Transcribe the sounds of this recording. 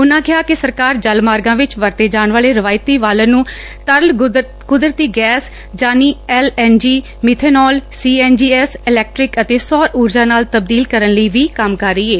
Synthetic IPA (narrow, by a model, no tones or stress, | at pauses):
ʊnãːkɪaːkɪsəɾkaːɾd͡ʒəlmaːɾɡãːʋɪt͡ʃʋəɾt̪eːd͡ʒaːɳʋaːleːɾəʋaːɪt̪iːʋaːlə̃nũː | t̪əɾl | kʊd̪ɾət̪iːɡɛːs | d͡ʒaːniːɛːlɛːnd͡ʒiː | mɪt̪ʰeːnɔːlsiːɛːnd͡ʒiːɛːsɪlɛːk̚ʈɾɪkət̪eːsɔːɾuːɾd͡ʒãːnaːlt̪əb̚d̪iːlkəɾənləiːʋiːkəmkəɾːəiːeː